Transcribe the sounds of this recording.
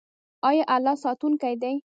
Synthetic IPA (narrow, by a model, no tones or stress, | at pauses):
ɑjɑʔalːɑsɑt̪unkajd̪aj